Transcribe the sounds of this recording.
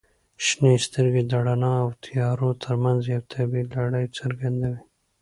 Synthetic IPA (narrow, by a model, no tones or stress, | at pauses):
ʃnest̪əɾɡed̪aɽanɑawt̪ʰijɑɾot̪ʰəɾmanzjawt̪ʰabilaɽajt͡saɾɡand̪awi